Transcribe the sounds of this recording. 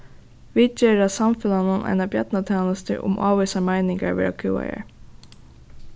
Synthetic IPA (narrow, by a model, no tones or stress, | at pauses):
ʋid̪̚d͡ʒeːɹasamfɪlanʊnʔa̰jnabjɛt̪nat̪ʰɛːnast̪ɪ̰ʔʊ̰mʔa̰ːvœsamajnɪŋkaɹʋɛ̰ːʔa̰kʰuːa̰ja̰ɹ